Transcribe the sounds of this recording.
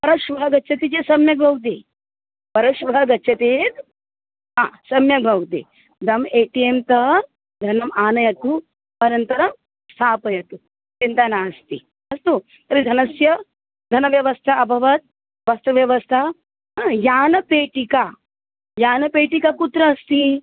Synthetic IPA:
pɐɾɐʃʋɐɦɐɡɐtːʃʰɐt̪it͡ʃesɐmjɐɡbʱɐwt̪̬eː | pɐɾɐʃʋɐɦɐɡɐtːʃʰɐt̪eːt̪ | asɐmjɐbʱɐwt̪ḛ | d̪ɐmeːʈiemt̪ɐ | d̪ʱɐnɐmaːnɐjɐt̪u | pɐnɐnt̪ɐɾɐm | st̪ʰaːpɐjɐt̪u | t͡ʃint̪ɐnaːst̪ḭ | ɐst̪u | t̪ɐɾid̪ʱɐnɐsjɐ | d̪ʱɐnɐʋjɐʋɐst̪ʰaɐbʱɐʋɐt̪̚ | ʋɐst̪ʰɐʋjɐʋɐst̪ʰa | jaːnɐpeːʈika | jaːnɐpeːʈikaput̪ɾɐːst̪i

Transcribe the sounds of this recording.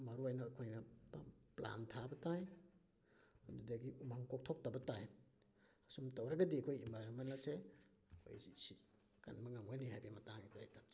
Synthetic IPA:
maɾuajnɐːkʰojnɐpapla̰ntʰabɐtaj | dudaɡiʔumaŋkɔk̚tʰɔk̚tabɐtaj | asumtawɾaɡadikʰojimamanlase | o̰jzisi | ka̰nmaŋaŋwajniɦajbemataɡidajtam

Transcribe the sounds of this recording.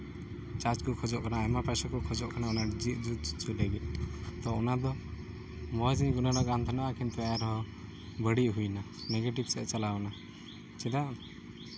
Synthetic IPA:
t͡ʃad͡ʒkɔkʰɔd͡ʒɔʔkanaːjmapasakɔkʰɔd͡ʒɔʔkʰanaɔnad͡ʒiʔ̚d͡ʒut͡ʃt͡ʃulɛɡɛʔ̪̚t̪ɔɔnad̪ɔ | mɔd͡ʒiɲɡunaɖɔɡant̪ʰanaʔakʰɛnt̪ɔajaɾɔɦɔ̃ | bəɽiʔɦujna | nɛɡeʈibsɛʔt͡ʃalana | t͡ʃɛd̪aʔ

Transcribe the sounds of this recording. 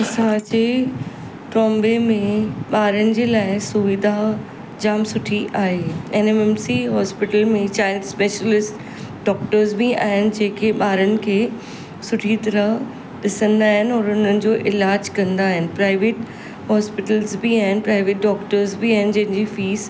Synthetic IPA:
ɐsãd͡ʑe | ʈɾɔ̃ːmbemẽɓaːɾənɪ̆d͡ʑeːlaːɪsʊʋɪd̪ʱa | d͡ʑaːmsʊʈʰiʔaːɦeːenemɛmsiɦɔːspɪʈəlmẽt͡ɕaːɪlspeːʃəlɪsʈ | ɖɔːkʈəɾzbia̰aːɦɪnɪ̆d͡ʑeːkʰeɓaːɾənɪ̆kʰeː | sʊʈʰit̪ɐɾəɦ | ɗɪsə̃nd̪aːɦɪnɪ̆ɔːɾʊn̤ənɪ̆d͡ʑoːʔɪlaːd͡ʑkɐ̃nd̪aːɦɪnɪ̆pɾaːɪʋeːʈ | ɦɔːspɪʈəlzbiaːɦɪnɪpɾaːɪʋeːʈ̚ɖɔːkʈəɾzbiaːɦɪnɪ̆d͡ʑɐ̃ɦɪ̃ɲd͡ʑifiːz

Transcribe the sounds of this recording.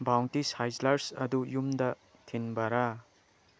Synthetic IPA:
bawntishajslaɾsɐ̰dujumdɐ | tʰinbɐɾa

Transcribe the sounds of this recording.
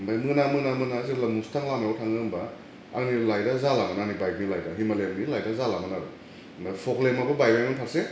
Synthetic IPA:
bajmɯnamɯnamɯnazilamustʰaŋlamaotʰaŋɯŋba | a̰ŋnilajdazalaŋananibajk̚nilajdaɦimalemnilajdazalamanaɾu | mapʰoklemaɡobajbamanpʰaɾse

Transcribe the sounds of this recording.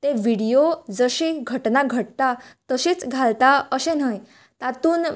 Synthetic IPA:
t̪eʋiɽijod͡zəɕiɡʱəʈnaɡʱəʈ̚t̪at̪əɕiːt͡sɡʱalt̪aəɕen̤əj | t̪at̪uːn

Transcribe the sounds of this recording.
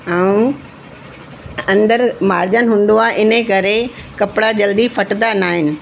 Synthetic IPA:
ãːũ | ɐ̃nd̪əɾmaːɾd͡ʑənɦũːn̆d̪oaːʔɪnəkɐɾekɐpɪɽad͡ʑɐld̪ifɐʈt̪anaːɦɪnɪ̆

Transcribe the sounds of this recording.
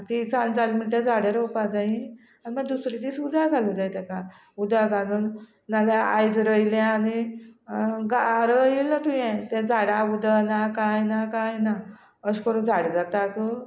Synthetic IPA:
t̪it͡sand͡zalmiʈed͡zʱaɽeɾowpad͡zaĩ | animəɡd̪usɾid̪iːsud̪ʱaɡʱalũd͡zajt̪ɛ̃ka | ud̪ʱaɡʱaluːn | nalaa̰jd͡zɾəjilãani | ɡaɾilnət̪ʰujɛ̃t̪ɛ̃d͡zʱaɽaud̪anakajnakãjna | əskəɾuːnd͡zʱaɽd͡zat̪ak̪ə

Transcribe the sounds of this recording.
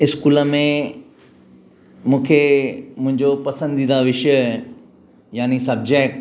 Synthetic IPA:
ɪskuːləmẽ | mũːkʰemʊ̃ɦɪ̃ɲd͡ʑopɐsə̃nd̪d̪ĩːnd̪aʋɪʃə | jaːnisɐb̚d͡ʑeːk̚ʈ

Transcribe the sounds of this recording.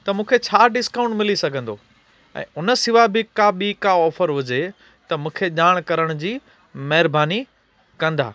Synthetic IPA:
t̪ɐmũːkʰet͡ɕʰaːɖɪskaːʊ̃ɳʈmɪlisɐɡʱə̃nd̪oː | ɛ̰̃ːʊnəsɪʋabɪkaɓikaɔːfəɾʋʊd͡ʑe | t̪ɐmũːkʰeʄaːɽ̃kɐɾəɽ̃ʊd͡ʑiː | mɐɦɪɾbaːni | kɐ̃nd̪a̰ː

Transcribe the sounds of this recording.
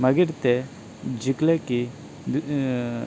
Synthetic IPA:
mɐɡiɽt̪e | d͡ʒikleki

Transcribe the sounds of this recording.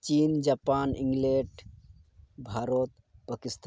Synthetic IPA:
t͡ʃind͡ʒapanĩŋɡleɖ | bʱaɾot̪ | pəkist̪

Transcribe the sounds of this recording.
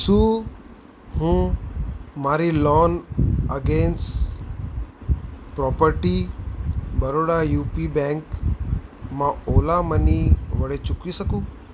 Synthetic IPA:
suː | ɦũ | maːɾilɔːnəɡeːns | pɾɔːpəɾʈi | bəɾoːɽajuːpiːbɛ̃ːŋk | mãoːlaməniʋəɽet͡ʃʊkisəkũː

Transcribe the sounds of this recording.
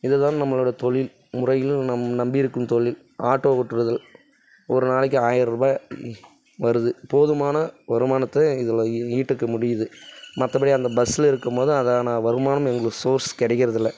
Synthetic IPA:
ɪðɯt̪ːaːnnɐmːɐɭoːɽɐɐt̪ɔɭɪl | mʊrɐjɪlnɐmnɐmbɪɪɾɯkːɯmt̪ɔɭɪl | aːʈːoːkɔʈːɯɾɐðɪl | ɔɾɯnaːɭɪk̬ːɯaːjɪɾɾɯbaː | ʋɐɾɯðɯpoːðɯmaːnɐʋɐɾɯmaːnɐt̪ːɐɪðɯliːʈːɯkːɐmʊɽɪjɐðɯmɐt̪ːɐpːɐɽiɐnd̪ɐbɐsːɪlɪɾɯkːɯmpoːðɯɐðaːnɐʋɐɾɯmaːnɯmɛŋɡɐɭɯsoːɾskɛɽɐkːɪɾɐðɪlːɐ

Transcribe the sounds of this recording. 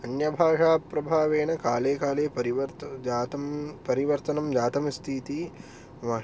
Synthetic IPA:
ɐnjɐbʱaːʂaːpɾɐbʱaːʋeːɳɐkaːleːkaːleːpɐɾiʋɐt̪ːt̪ɐpɐɾiʋɐɾt̪ɐnɐmd͡ʒaːt̪ɐmst̪ʰiːt̪i | maː

